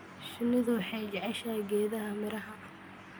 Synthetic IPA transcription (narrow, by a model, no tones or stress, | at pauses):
ʃɪnɪðʊħɛd͡ʒʕɛʃɐɡɛːðɐɦɐmɪɾɐɦɐ